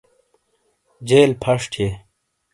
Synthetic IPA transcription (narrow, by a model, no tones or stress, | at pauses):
d͡ʑeːlpʰɐʂʈʰe